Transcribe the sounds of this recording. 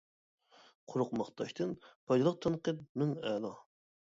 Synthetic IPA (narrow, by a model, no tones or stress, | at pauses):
qʰʊɾʊqmɑχt̪ʰɑʃt̪ʰɨnpʰɑjd̪ɨlˠəq̚t̪ʰɑnqəp̚nɨŋɛlɑ